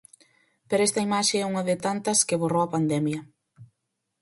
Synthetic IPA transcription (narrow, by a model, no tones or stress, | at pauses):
peɾoɛst̪ɐimaʃeɛuŋɐðɪt̪ant̪ɐskɪβorowɐpand̪ɛmjɐ